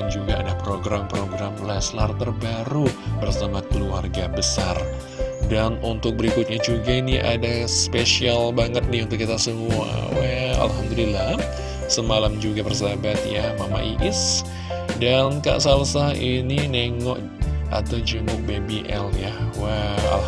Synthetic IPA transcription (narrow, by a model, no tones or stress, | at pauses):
and͡ʒuɡaa̰dapɾoɡɾampɾoɡɾamlɛslart̪ərbaɾubərsamakəluarɡabəsar | danunt̪ʊk̚bəɾikʊt̪̚ɲad͡ʒuɡainiʔa̰daspeʃialbaŋət̪̚niunt̪ʊkːit̪asəmua̰waa̰lɦamd̪əlilah | səmalamd͡ʒuɡapərsabat̪jahmama̰ʔiʔɪs | danka̰ʔsalsainineŋɔʔ | ʔa̰t̪awd͡ʒəmʊk̚bebiʔɛljawaa̰l